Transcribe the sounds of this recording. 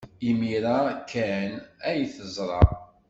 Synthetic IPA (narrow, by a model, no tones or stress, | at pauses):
imiɾakːænæjθəzˤɾˤɑ